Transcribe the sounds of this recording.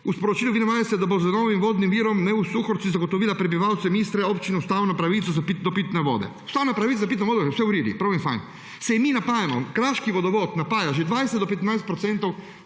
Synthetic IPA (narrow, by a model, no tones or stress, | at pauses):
uspɔɾɔt͡ʃiːluʋinɛʋaːjɛsɛd̪abɔzanoːʋimʋoːd̪nimʋiːɾɔmnɛusuxɔɾsizaɡot̪ɔʋiːlapɾɛbiʋawt̪sɛmist̪ɾɛopt͡ʃinɛust̪aːwnɔpɾaʋit̪sɔzapit̪nɔpit̪nɛʋo̰ːd̪ɛ̰̥ | st̪aːwnapɾaʋit̪azapit̪nɛʋoːd̪ɔsɛuɾiɾḭpɾawʋinfa̰ŋ | sɛjɛminapaːjamɔ̰kɾaʃkiʋɔd̪ɔʋɔt̪napaːjaʒed̪ʋajsɛd̪d̪ɔpɛt̪najst̪pɾɔt̪sɛnt̪ɔw